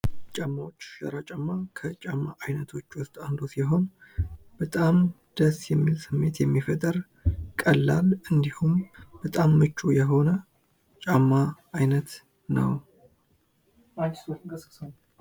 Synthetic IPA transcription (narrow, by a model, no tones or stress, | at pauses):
t͡ʃʼamːawot͡ʃːʃə̰ɾat͡ʃʼamːakʰət͡ʃʼamːaʔajnət̪ʰo̞t͡ʃːwʊst̪ʼand̪osiɦo̞nb̥ət̪ʼam | d̪̥əsjɛmːilsɨmːe̞t̪jɛmːifət̪ʼəɾ | kʼəlːalɨnd̪ihumb̥ət̪ʼamːɨt͡ʃːujɛɦo̞nə | t͡ʃʼamːa | ajnət̪ | nə̰w | asəs